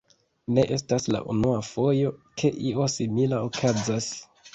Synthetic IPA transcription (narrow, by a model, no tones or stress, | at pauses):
ne̞ʔe̞stasla̰ʔṵnuafo̞jo̞kʰe̞ʔio̞similaokʰazas